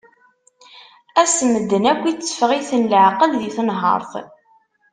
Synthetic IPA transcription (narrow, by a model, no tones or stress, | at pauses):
æsəməd̪ːənækʷːit͡sːə̥fəʁiθənləʕqəlðiθnɦə̰ɾˤθ